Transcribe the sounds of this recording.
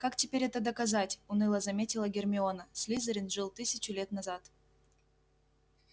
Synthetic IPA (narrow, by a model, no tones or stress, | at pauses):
kaktʲepʲeɾʲɛt̪əd̪ɐkazatʲunɨlˠəzɐmʲetʲilˠəɡʲermʲɪonəsʲlʲizəɾʲɪnʐɨlˠt̪ɨsʲɪt͡ɕulʲet̪nazɑt̪